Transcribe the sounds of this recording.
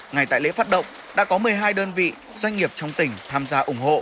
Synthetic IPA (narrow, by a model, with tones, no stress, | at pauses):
ŋa˨˩jt̪a̰ː˧˨lḛ˧˥faː˦˥t̚ɗə̰˧˨wŋ͡m | ɗa̰ː˧˥kɔ˨˦mɨ˨˩əjɦaː˧jɗəː˧nvḭ˧˨ | z̥wa˧jŋ̟ŋi˨˩əp̚t͡ɕɔ˧wŋ͡mt̪ï˨˩ŋ̟t̪ʰaː˧mzaː˧ʔʊ˧˩ŋ͡mho̰˧˨